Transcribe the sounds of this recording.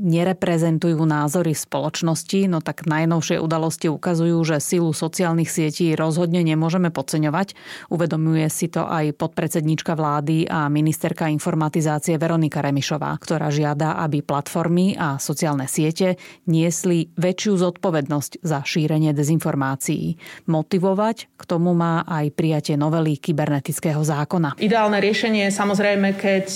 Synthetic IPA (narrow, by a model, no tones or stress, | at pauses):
ɲɛɾɛpɾɛzɛnt̪ujuːnaːzɔɾifspɔlɔt͡ʃnɔscinɔt̪aɡ̥najnɔʊʃɪɛʔud̪alɔsciukazujuːʒɛsilusɔt͡siaːlnixsɪɛciːɾɔzɦɔd̪ɲɛɲɛmʊɔʒɛmɛpɔt͡sɛɲɔʋacuʋɛd̪ɔmujɛsit̪ɔ̰ʔajpɔt̪̚pɾɛt͡sɛd̪ɲiːt͡ʃkaʋlaːd̪iʔaminist̪ɛɾkainfɔɾmat̪izaːt͡siɛʋɛɾɔnikaɾɛmiʃɔʋa̰ːkt̪ɔɾa̰ːʒɪad̪aʔabiplat̪fɔɾmiʔasɔt͡siaːlnɛsɪɛcɛɲɪɛsliʋɛt͡ʃɪuzɔt̪̚pɔʋɛd̪nɔsczaʃiːɾɛɲɪɛd̪ɛzinfɔɾmaːt͡sijḭmɔt̪iʋɔʋackt̪ɔmumaːʔajpɾijacɪɛnɔʋɛlikibɛɾnɛt̪it͡skɛɦɔzaːkɔnaid̪ɛaːlnɛɾɪɛʃɛɲɪɛɛsamɔzɾɛjmɛkɛc